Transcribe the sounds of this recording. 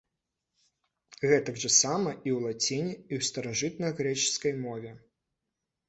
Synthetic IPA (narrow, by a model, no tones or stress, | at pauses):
ɣɛt̪ɐɡʐɐsamɐʔiwlˠat͡sʲinʲiiwst̪ɐɾaʐɨt̪nɐjɣɾɛt͡ʃɨ̥skɐjmɔvʲɛ